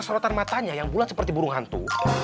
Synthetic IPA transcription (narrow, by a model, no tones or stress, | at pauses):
səɾɔt̪anmat̪aɲajaŋbulat̪sə̥pərt̪ibuɾʊŋɦant̪ṵ